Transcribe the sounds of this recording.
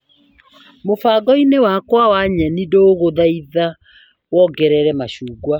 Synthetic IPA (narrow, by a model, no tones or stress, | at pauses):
mofaɣɔinewakwawaɲanidoːɣoðaiða | wɔɡɛɾɛɾɛmaɕuːɡwa